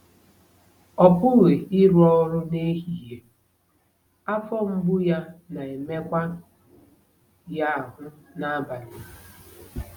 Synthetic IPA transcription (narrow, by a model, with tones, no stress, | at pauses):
ɔ˨pʊ˦ɣe˨ɪ˦ɾɔ˦ɾʊ˦ne˦ɦi˨ɦe˨ | a˦fɔ˦m̩˦bʊ˦ja˦na˨e˨me˦kʷa˦ | ja˦˨ɦʊ˦na˦ba˨lɪ˨